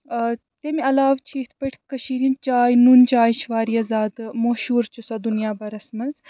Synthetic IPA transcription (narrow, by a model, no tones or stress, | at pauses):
t̪emiɐlaːʋt͡ʃʰit̪ʰpɐʈʰʲkɐʃiːɾint͡ʃaːjnuːnt͡ʃaːjʃʋaːɾijɐzaːd̪moːʃuːɾt͡ʃusɐd̪unjaːbɐɾɐsmɐnz